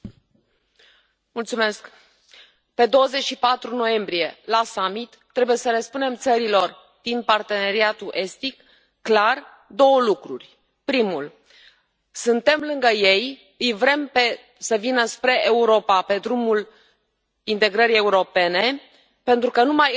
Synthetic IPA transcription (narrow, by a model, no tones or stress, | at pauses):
mult̪sume̞sk | pe̞d̪o̞wəze̞t͡ʃʃipat̪ɾuno̞je̞mbɾije̞lasamit̪ːɾe̞buje̞səɾespune̞mt̪səɾilo̞r | d̪̥inpart̪e̞ne̞ɾiat̪uʔe̞st̪ikː | lar | d̪o̞wəlukɾurʲ | pɾimul | sɨnt̪e̞mlɨŋɡəje̞j | ɨjvɾe̞mpe | səvinəspɾe̞ʔeuɾo̞pape̞d̪ɾumul | int̪e̞ɡɾəɾije̞uɾo̞pe̞ne̞ | pe̞nt̪ɾukənumaj